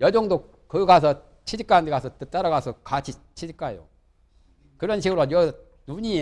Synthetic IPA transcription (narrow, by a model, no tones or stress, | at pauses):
jʌd͡ʑʌŋdo | kɯɡas̬ʰʌ | t͡ɕʰid͡ʑik͈andekasʰʌt͈ɯt͈aɾaɡasʰʌkat͡ɕʰi | t͡ɕʰid͡ʑik͈ajo̰ | kɯɾʌnɕʰiɡɯɾojʌ | nuɲi